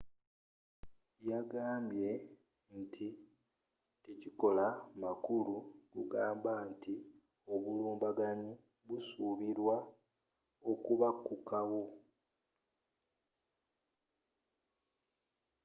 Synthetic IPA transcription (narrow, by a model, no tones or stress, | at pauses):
jaɡaːmbje̞ | ntʰi | teciko̞lamakuluɡuɡaːmbanti | o̞βuluːmbaɡaɲi | βusuβiɾwa | okuβakːukawo̞